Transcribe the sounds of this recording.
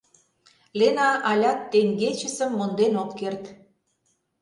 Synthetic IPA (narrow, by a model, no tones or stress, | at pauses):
lenɑʔɑlʲɑt̪ːeŋɡet͡ɕə̆sə̆mːond̪enokːert̪